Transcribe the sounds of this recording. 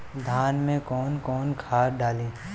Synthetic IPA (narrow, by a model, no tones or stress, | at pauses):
d̪ʱaːnmẽkɔːnkɔːnkʰaːɾɖaːlẽː